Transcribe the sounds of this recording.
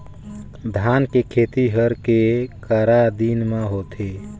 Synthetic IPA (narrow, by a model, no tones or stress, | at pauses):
d̪ʱankekʰet̪iɦəɾkekəɾad̪inmeɦot̪ʰe